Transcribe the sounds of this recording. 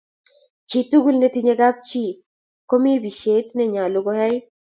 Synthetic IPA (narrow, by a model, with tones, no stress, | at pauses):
t͡ʃi˨tu˦ɡu˦lnetiɲe˦ɡa˦p̚t͡ʃi˦ | ko˦mi˦bi˨ʃe˦tnɛ˦ɲa˨lo˦ɡo˦hɛ˦j